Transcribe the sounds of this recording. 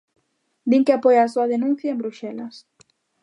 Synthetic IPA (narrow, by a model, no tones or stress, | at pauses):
d̪iŋkɪapojaːsoɐðenũn̟θjɐẽmbɾuʃɛlɐs